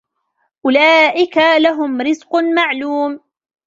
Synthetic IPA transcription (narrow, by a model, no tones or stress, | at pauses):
ʔʊlaːʔɪkalaɦʊmɾɪzqʊmaʕluːm